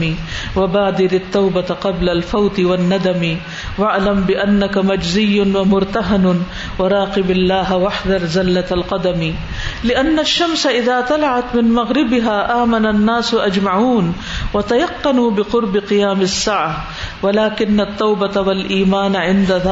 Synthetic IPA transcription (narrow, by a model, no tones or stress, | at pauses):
iwabaːd̪ɪɾat̪ːawbat̪qɑblalfawt̪ɪwanːad̪ami | waʕlambɪʔanːakamad͡ʒzɪjːʊwamʊɾt̪aɦan | wɑɾˤɑːqɪbalːaːɦwaħd̪ɑɾˤzalːat̪alqɑd̪ami | lɪʔanːaʃːamsaʔɪðaːt̪alaʕat̪mɪnmaɣɾɪbɪɦaːʔaːmananːaːsʔad͡ʒmaʕuːn | wat̪ajɑqːɑnuːbɪqʊɾˤbɪqɨjaːmɪsːaːʕa | walaːkɪnːat̪ːawbat̪awalʔiːmaːnʕɪnd̪aða